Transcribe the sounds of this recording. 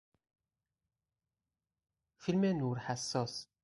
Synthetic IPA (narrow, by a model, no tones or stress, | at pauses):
filmænuɾħasːɔs